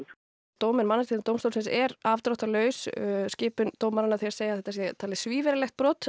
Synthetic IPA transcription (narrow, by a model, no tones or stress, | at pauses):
t̪oːwmɛnmanːast̪iːɾnt̪oːwmst̪owlsɪnsɛɾavt̪ɾɔht̪alœːɥsscɪːpʏnt̪oːwmaɾanːaθɛɾ̥seːjaðθɛht̪asjɛt̪ʰaːlɪsviːvɛɾɪlɛxt̪̚pɾɔːt̪